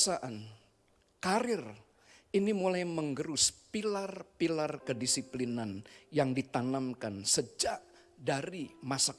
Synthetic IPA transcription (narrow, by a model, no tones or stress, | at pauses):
saʔan | kaɾɪr | inimulajməŋɡəɾʊspilarpilarkədisiplinanjaŋdit̪anamkansəd͡ʒaʔ | daɾimasak